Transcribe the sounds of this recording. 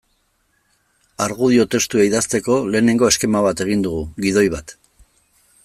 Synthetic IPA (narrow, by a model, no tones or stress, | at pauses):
aɾɣuð̞io̞t̪e̞st̪ueiðast̪e̞ko̞le̞ːne̞ŋɡo̞e̞ske̞maβ̞at̪e̞ɣ̞ind̪uɣ̞uɣið̞o̞jβat̪